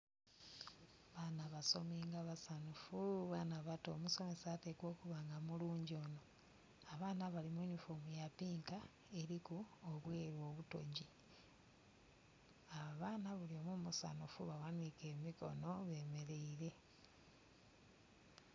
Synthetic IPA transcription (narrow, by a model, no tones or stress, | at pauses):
βanaβaso̞̰miːŋɡaβasanufuβaːnaβatoːmuso̞me̞saːte̞kwo̞ːkuβaːŋɡamuluːɲɟio̞ːno̞ | aβaːnaβalimojunifomujapiːŋka | e̞ɾikuoβwe̞ːɾwo̞ːβuto̞̰ɟi | aβaβaːnaβuliomumusa̰nufuβawanike̞ːmiko̞̰no̞βe̞ːme̞ɾe̞iɾe̞